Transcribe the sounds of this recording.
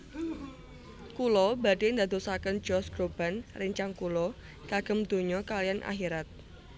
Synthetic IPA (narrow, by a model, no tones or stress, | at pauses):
kulɔbadeːnd̪ad̪osakənd͡ʒɔsɡɾob̥anrəɲt͡ʃaŋkulɔ | ɡ̥aɡ̥ə̤md̪̥o̤ɲɔkalijanʔa̰ɦiɾat̪̚